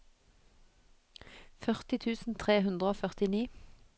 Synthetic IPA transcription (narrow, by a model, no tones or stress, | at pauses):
fœʁt̪ɪt̪ʰʉːsn̩t̪ʰʁeːhʉnd̪ʁəoːfœʁt̪ɪniː